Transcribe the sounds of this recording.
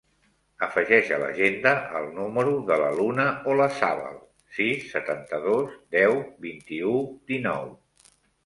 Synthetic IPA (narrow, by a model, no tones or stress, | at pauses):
əfəʒɛʃələ̰ʒend̪əəlˠnuməɾuðələlunəoləsa̰βə̰lˠ | sisːət̪ant̪əðozd̪ɛwβint̪iud̪inɔ̰w